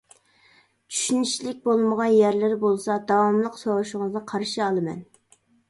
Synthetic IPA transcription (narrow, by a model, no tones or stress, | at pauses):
t͡ʃʰy̥ʃynyʃlɪk̚ʲbolˠməʁɑnjæɾlɪɾbolˠsɑd̪ɑwɑmlˠəqsɑwuʃʊŋɨznɨqʰɑɾʃiɑlˠɨmɛ̰n